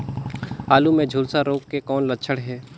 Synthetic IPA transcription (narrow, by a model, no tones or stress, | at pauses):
aːlumẽd͡ʒʱuːlsaɾoːkːekɔːnlətːt͡ʃʰəɽɦɛː